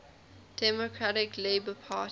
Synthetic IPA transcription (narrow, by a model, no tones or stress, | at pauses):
d̥ɛmokʰɹaɾɪkleɪbəpʰaːˑt